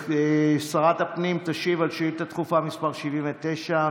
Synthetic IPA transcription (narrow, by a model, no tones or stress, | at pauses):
esaʁat̪apnimt̪aʃivalʃiut̪at̪χufamispaʁʃivimvet̪ejʃa